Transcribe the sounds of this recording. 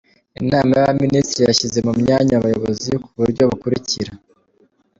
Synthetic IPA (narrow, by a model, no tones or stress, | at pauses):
inaːmajaβaministɾijaʃize̞mumɲaːɲaβajo̞βo̞zikuβuɾɟo̞βakuɾiciɾa